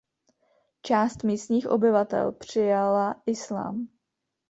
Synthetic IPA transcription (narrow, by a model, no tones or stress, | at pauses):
t͡ʃaːst̪miːst̪ɲiːxʔo̰bɪvat̪ɛ̰lpr̝̥ɪjalaʔɪsla̰ːm